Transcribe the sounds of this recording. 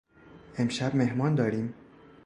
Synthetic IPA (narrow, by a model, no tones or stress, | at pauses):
ʔe̞mʃæbme̞ɦmɒːnd̪ɒːɾiːm